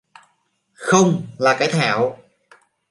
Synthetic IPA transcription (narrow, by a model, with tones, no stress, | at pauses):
xə˧wŋ͡mlaː˨˩kaː˨˦jt̪ʰaː˧˩w